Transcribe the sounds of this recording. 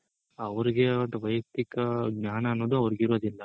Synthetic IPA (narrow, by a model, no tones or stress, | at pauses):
ɐʋɐɾiɡeɐt̪ɐʋɐjɐkt̪ikɐɡnaːnɐːnːo̞ːd̪uɐʋɐɾiɡiɾod̪ilːɐ